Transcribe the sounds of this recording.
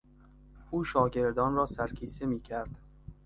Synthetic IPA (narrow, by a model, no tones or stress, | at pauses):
uːʃɒːɡe̞ɾd̪ɒːnɾɒːsæɾkʲʰiːsemiːcʰæɾd̪̥